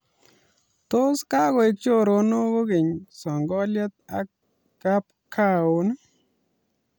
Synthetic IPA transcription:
to˦ska˦ɣo˨jt͡ʃo˦ɾo˧no˦ɡo˦ɡe˨ɲsɔ˨ŋɡɔ˦lja˦t̪̚a̰˦kː | a˦p̚ | kʰa˦o˨˦n˦

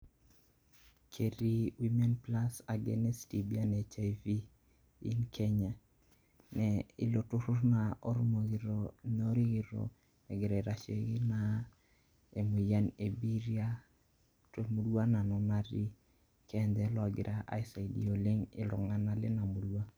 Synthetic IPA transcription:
kʰe˨ɾi˦wi˦mɛ˦npla˦sa˨ɡɛ̰nɛ˦sti˨bi˦a˦ne˨t͡ʃa˨vi˦ | ḭ˦nkʰɛ˦ɲa˨ | nɛɪ̰˨lo˨tʊ˦ɾʊ˦ɾnaɔ˦ɾmo˨ɾono˦ɾi˦ɡɪ˨ɾo̰˨ | ɛ˨ɡɪ˨ɾɛ˨ɾa˨t͡ʃe˨ɡɪ˦na | e˨mu˨ja˦ne˨bi˦ɾja˦ | to˨mu˦dwa˦na˨nɔ˨na˦ɾi˦ | kɛ˦nd̪ɛ˨lɔ˨ɡɪ̰˨ɾʔa˦ʔa̰˦ɪsa˨idḭ˨o˨lɪ˦ŋɪ̰˨lɔ̰˨ŋa˦na˦lɪ˦na˨mu˨lwa˦

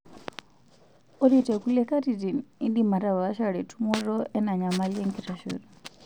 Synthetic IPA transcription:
ɔ˦ɾitɛ˨kulɛka˦titi˨ni˦ndima˨ta˨βa˨a˦ʃaɺɛ˨tʰu˦mɔɾɔ˦ʔɛ˦na˨ɲa˨ma˦liɛ˦ŋkiɾaʃɔ̰˨ɾɔ

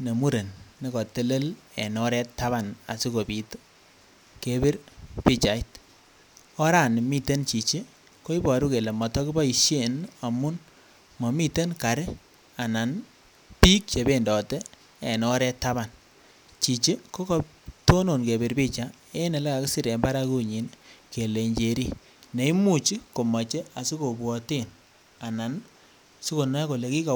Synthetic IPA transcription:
ne˨mu˦ɾe˨nːi˦kɔ˨te˦le˦l | ɛ˨nɔ˦ɾɛ˦tːa˦βa˨na̰˨si˦ko˨pi˨t | ke˦bi˦ɾpi˦t͡ʃa˨i˦t | ɔ˦ɾa˦˨n˨mi˦te˦nt͡ʃi˨t͡ʃi˦ | ko˦i˦bɔ˨ɾu˦ke˨le˨mɔ˨tɔ˦ki˦bɔ˦i˨ʃe˦˨na˨mʊ˦n | mɔ˨mi˦te˦nka˨ɾe˦ | a˨na˨n | pi˦k̚t͡ʃe˨be˨ndɔ˨tɛ˦ | e˨nɔ˦ɾɛ˦ta˦ba˨n | t͡ʃi˨t͡ʃi˦ko˦kɔ˦to˦no˨nke˨be˨ɾbi˦t͡ʃa˦ | e˦ne˨le˦ka˨ki˦si˦ɾe˨mba˦ɾa˦ku˦ɲi˨˦nke˨le˨ɲd͡ʒe˨ɾi˦ | ne˨i˦mu˦˨t͡ʃi˦ko˨ma˨t͡ʃe˦a˨si˦ko˨bwɔ˨ti˦˨n | a˨na˨n | su˦ko˨nɔ˦ko˨le˨ki˦ka˨

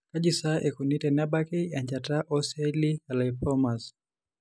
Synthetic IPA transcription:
ka˦d͡ʒi˨sa˦ʔe˨ku˨ni˦tɛ˨na˦ba˦ki˦a˨ɲd͡ʒa˨ta˦ʔɔ˦se˦li˦ka˨la˨ipɔma˨s

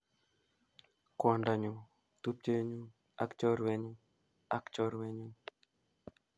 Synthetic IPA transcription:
kɔ˨nda˨ɲu˨ | t̪u˦p̚t͡ʃe˦ɲu˦ | a̰˦kt͡ʃɔ˦ɾwɛ˦ɲu˦ | a˦kt͡ʃɔ˦ɾwɛ˦ɲu˦

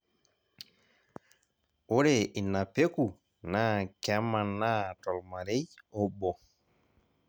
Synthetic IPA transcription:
o˦ɾe˨ʔi˨na˨pe˦ku˨ | na˦kɛ˦ma˨na˦tɔ˨lma˨ɾe˦jɔ˦bɔ˨

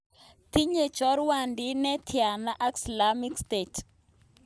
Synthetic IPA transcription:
ti˦ɲe˨t͡ʃɔ˦ɾwa˨ndi˦nɛ˦tʰja˨na˦ʔa˦ksla˦mi˦kste˨t

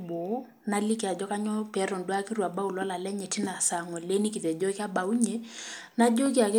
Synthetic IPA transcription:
bɔ˨˦ | na˦li˦ki˨a˨d͡ʒɔ˦ka˦ɲɔ˦pɛ˨˦ɾɔ˨n˨dwa˦ki˦ɾwa˨ba˦u˨la˦la˨lɛ˦ɲɛ˨ti˦na˨sa˨ŋɔ˨le˦ni˦ki˨tɛ˨d͡ʒɔ˦ka˦ba˨u˦ɲe˦na˦d͡ʒo˦k̬i˦a˨kɪ˦

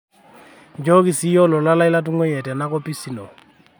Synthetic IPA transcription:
d͡ʒɔ˦ki˨si˦jɔ˦lɔ˨la˦la˦i˦la˦t̬u˦ŋwɛ˦jɛ˨tɛ˨na˦kɔ˦pi˦si˨nɔ˨

